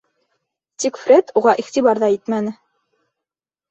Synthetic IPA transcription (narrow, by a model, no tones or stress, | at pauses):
t̪ikfɾʲet̪ʰuʁɑʔiχt̪iβɑɾðɑit̪mænɘ